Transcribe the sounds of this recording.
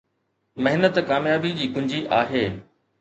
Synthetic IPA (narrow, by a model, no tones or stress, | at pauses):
mɐɦɪnət̪kaːmjaːbid͡ʑiːkʊ̃ɲd͡ʑiʔaːɦeː